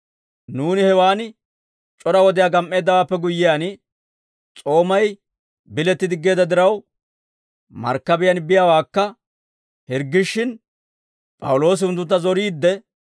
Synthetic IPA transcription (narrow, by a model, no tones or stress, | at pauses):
nuːnɪhɛwaːn | t͡ʃʼɔɾɐwɔd̪ɪjaːɡɐmʔːe̞ːd̪ːɐwaːpːɛɡʊjːɪjaːn | t͡sʼo̞ːmɐj | bɪlɛt̪ːɪd̪ɪɡːe̞ːd̪ɐd̪ɪɾɐw | mɐ̰ɾkːɐbɪjanbɪjawaːkːɐ | hɪɾɡːɪʃːɪn | pʼɐ̰wʊlo̞ːs̬ɪhʊnt̪̬ːʊnt̪ːɐzɔɾiːd̪ːɛ